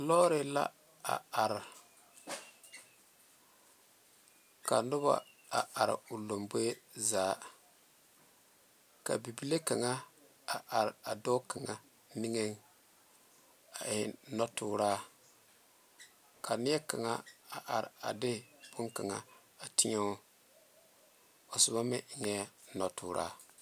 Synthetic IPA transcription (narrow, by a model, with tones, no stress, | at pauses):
lɔː˦ɾɪ˨la̰˦ | a̰˨a˨ɾɪ˨ | ka˨nʊ˦βa̰˨ | a˨ʔa˨ɾɪ̰˨ʊ˨lo˨mbo˦e˦zaː˨ | ka̰˨bi˨bi˦le˦ka˨ŋa˦ | a˨ʔa˨ɾɪ˨a˨dɔː˦ka˨ŋa˨ | ni˦ŋe˦ŋ | a˨ʔɪ˨˦nɔ˦tʊː˦ɾaː˦ | kʰa˨nɪ˦ɛ˦ka˨ŋa˦a˨ʔa˨ɾɪ̰˨a˨dɪ˦˨b̥ʊ˦ŋka˨ŋa˨ | a˨tɪ˦ɛ˦ | o˨sʊ˨ba˦mɪ˦ʔɪ˨ŋɛ˦nɔ˨tʰʊː˨ɾʔa̰ː˦